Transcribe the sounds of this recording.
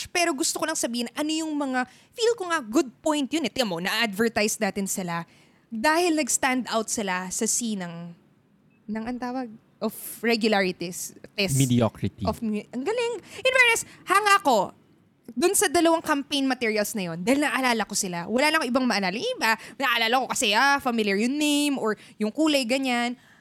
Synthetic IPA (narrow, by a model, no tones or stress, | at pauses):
pɛːɾo̞ɡʊst̪okolɐŋsɐbiːhɪnʔɐno̞jʊŋmɐŋa | filkoŋaɡʊd̪̚pojnt̪jʊnɛt̪ɪɐmonɐʔʔad̪vɛɹt̪ajsnaːt̪ɪnsɪla | d̪aːhɪlnɐɡst̪and̪awt̪sɪlasɐsinɐŋ | nɐŋʔɐnt̪aːwɐɡ̚ | ʔofɹɛɡjʊlaɹɪt̪ist̪ɛsmd̪ɪokɹɪt̪iofɐŋɡɐlɪŋʔɪnvɛɹɛshɐŋako̞ | d̪ʊnsɐd̪ɐlɐwaŋkɐmpejnmɐt̪ɛɹɪjɐlsnɐjo̞nd̪aːhɪlnɐʔʔɐlaːlɐko̞sɪlawɐlaːnɐkoʔɪbaŋmɐʔɐlaːlɐŋʔɪbanɐʔɐlaːlɐko̞kɐsɛʔafɐmɪljɐɹjʊŋnejmʔoɹ | jʊŋkuːlɐjɡɐɲan